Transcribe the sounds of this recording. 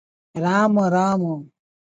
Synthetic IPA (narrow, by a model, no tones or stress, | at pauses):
ɾaːmõɾaːmõ